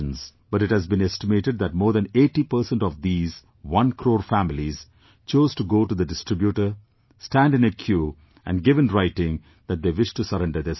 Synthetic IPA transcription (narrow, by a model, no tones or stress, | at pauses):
ə̃nsb̥ʌʈɪʈhæzbĩnesʈɪmeːʈeɖ̚d̪æʈ̚moːɾd̪æ̃neːʈːipəɾsɛ̃nʈɔʋd̪iːz | ʋʌ̃nkʰɾoːɾfæmɪliz̥ | t͡ʃoːzʈuɡoːʈud̪əɖɪsʈɾɪbjuʈəɾ | sʈæ̃nɖɪ̃nekʰjuː | ʔæ̰̃ɳɖɡɪʋə̃nɾaɪʈɪ̃ŋ | d̪æʈ̚d̪eːʋɪʃʈusəɾɛ̃nɖəɾd̪es